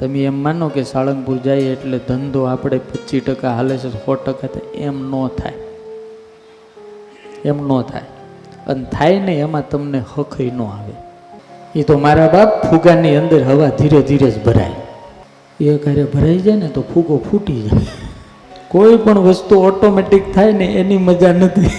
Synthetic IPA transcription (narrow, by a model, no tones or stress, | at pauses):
t̪əmiemːanokesaləŋɡpuɾd͡ʒajeʈled̪ʱənd̪ʱoapɽepət͡ʃiʈəkaɦalet͡ʃʰet̪ofɔʈəkat̪ʰa̰emnõt̪ʰa̰j | emnõt̪ʰa̰j | ə̰net̪ʰajneːmãt̪əmnehəkʰəinõaʋḛ | it̪omaɾabappʰuɡaniənd̪əɾɦəʋad̪ʱiɾed̪ʱiɾed͡ʒbʱəɾa̰j | eəkaɾebʱəɾaid͡ʒajnet̪opʰuɡopʰuʈid͡ʒaj | koipəɳʋəst̪uɔʈomeʈikt̪ʰajneʔeniməd͡ʒanət̪ʰi